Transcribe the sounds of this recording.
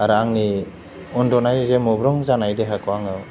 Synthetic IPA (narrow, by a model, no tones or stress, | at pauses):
aɾaŋni | ɔndɔnajzemɔbɾɔŋzanajdeɦakʰɔaŋaw